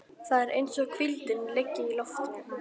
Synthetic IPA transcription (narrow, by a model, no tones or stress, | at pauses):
θaðɛɾʔejnsɔɣkʰvilt̪ɪnlecːɪilɔft̪